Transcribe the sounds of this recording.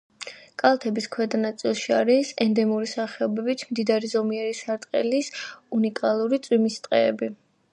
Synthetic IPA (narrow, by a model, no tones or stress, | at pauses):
kʼalˠt̪ʰɛbiskʰwɛd̪anat̪sʼilˠʃiaɾisɛnd̪ɛmuɾisaχɛɔbɛbit̪ʰmd̪id̪aɾizɔmiɛɾisaɾt̪ʼqʼɛlisunikʼalˠuɾit̪sʼwimist̪ʼqʼɛːbi